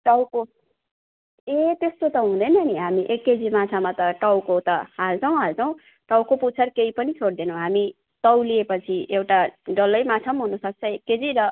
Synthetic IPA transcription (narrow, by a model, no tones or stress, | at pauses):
ʈʌwko | et̪est̪ot̪ʌɦũd̪ʌjnʌʌniɦamiʔekːed͡zimat͡sʰamat̪ʌʈʌwkot̪ʌɦalt͡sʰʌw̃ɦalt͡sʰʌw̃ | ʈʌwkoput͡sʰʌrkeipʌnit͡sʰoɽd̪enʌ̃w̃ɦami | t̪ʌwliepʌt͡sʰiewʈaɖʌlʌjmat͡sʰamɦunusʌt͡sʰʌekːed͡ziɾʌ